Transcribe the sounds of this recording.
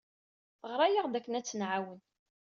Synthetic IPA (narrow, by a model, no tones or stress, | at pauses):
ʁəɾˤæjəʁd̪ækːənæt͡sːənʕawən